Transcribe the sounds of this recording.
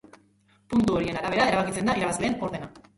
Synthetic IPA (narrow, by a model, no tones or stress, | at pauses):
punt̪uo̞ɾie̞naɾaβ̞e̞ɾae̞ɾaβ̞akit͡se̞nd̪aiɾaβazle̞ːno̞ɾðe̞na